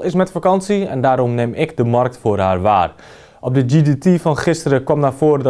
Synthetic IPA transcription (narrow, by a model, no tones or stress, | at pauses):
ɪsmɛtfakɑnsiɛ̰ndaːɾɔmnɪmɪkdəmɔrk̚tfʊərɦaːrʋa̰ːr | ʔɔp̚dəd͡ʒiditifɔnχɪstəɾəkʋɔmnaːfoərdɔ